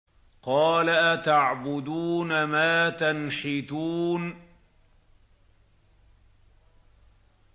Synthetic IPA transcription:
qɑːlaʔat̪aʕbʊd̪uːnamaːt̪anħɪt̪uːn

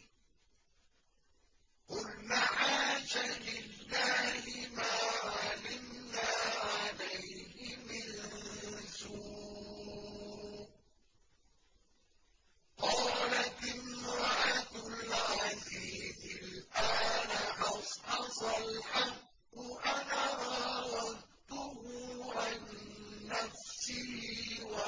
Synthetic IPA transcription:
qʊlnaːʕaːʃalɪlːaːhɪmaːʕalɪmnaːʕalajhɪmɪn | zuː | qɑːlat̪ɪmɾɑʔat̪ʊlʕaziːzɪlʔaːnaʔɑsħɑsalħɑqː | ʊʔanaːɾˤɑwɑd̪t̪ʊɦʊʕanːafsɪːwa

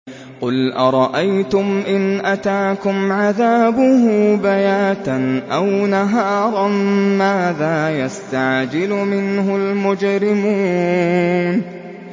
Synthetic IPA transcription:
qʊlʔɑɾˤɑʔajt̪ʊmʔɪnʔat̪aːkʊmʕaðaːbʊɦbajaːt̪anʔawnaɦɑːɾˤɑmaːðaːjast̪aʕd͡ʒɪlʊmɪnɦʊlmʊd͡ʒɾɪmuː | n

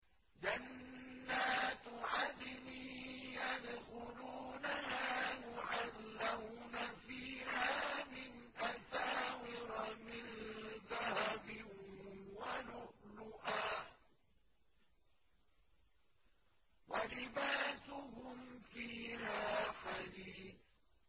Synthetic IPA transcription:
d͡ʒanːaːt̪ʕad̪ɪmijad̪xʊluːnahaːjʊʕalːawnafiːhaːmɪn | ʔasaːwɪɾmɪnðahabɪ | walʊʔlʊʔaː | walɪbaːsʊɦʊmfiːhaːħad̪iːθ

